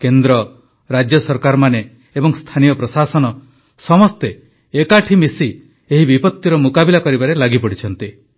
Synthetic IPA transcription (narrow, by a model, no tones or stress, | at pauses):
kend̪ɾɔ | ɾad͡ʒjɔsɔɾkaɾɔmane | ebɔŋst̪ʰanijɔpɾɔsasɔnɔ | sɔmɔst̪eː | kaʈʰimisi | eɦibipɔt̪ːiɾɔmukabilakɔɾibaɾelaɡipɔɽit͡ʃʰɔnt̪i